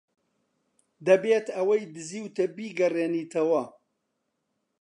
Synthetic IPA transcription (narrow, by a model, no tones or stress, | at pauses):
d̪ɐbeːt̪ɐwɐjd̪ɨziːwt̪ɐbiːɡɐreːniːt̪ʰɐwɐ